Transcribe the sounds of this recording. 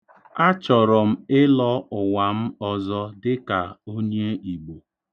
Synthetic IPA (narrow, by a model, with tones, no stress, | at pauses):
a˦t͡ʃɔ˨ɾɔ˨m̩˦ɪ˦lɔ˦ʊ˨wa˨m̩˦ɔ˦zɔ˦dɪ˦ka˨o˦ɲe˦i˨ɡ͡bo˨